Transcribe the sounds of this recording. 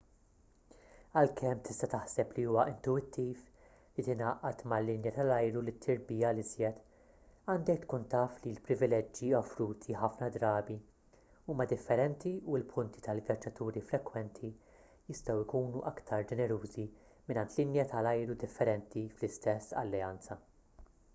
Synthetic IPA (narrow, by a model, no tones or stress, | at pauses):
ɐlkʰɛmːt̪ʰɪst̪ɐt̪ɐħsɛpliuːwɐʔɪnt̪ʊɪt̪ʰːiːf | lit̪ɪnɐʔɐt̪mɐlːɪnjɐt̪ɐlɐjɾulɪt̪ʰːɪɾbiːjɐlɪzjɛt̪ | ɐːnd̪ɛkt̪kuːnt̪ɐːflilpɾɪvɪlɛd͡ʒːiɔfɾuːt̪ʰiħɐfnɐd̪ɾɐːbi | uːmɐd̪ɪfːɛɾɛnt̪iuɪlpʰʊnt̪i̥t̪ɐlvjɐd͡ʒːɐt̪uːɾifɾɛkwɛnt̪ʰi | jɪst̪ɐwɪkuːnuʔɐkt̪ʰɐɾd͡ʒɛnɛɾuːzi | mɪnɐnt̪lɪnjɐt̪ʰɐlɐjɾud̪ɪfːɛɾɛnt̪iflɪst̪ɛsːɐ̰lːɛɐnt͡sɐ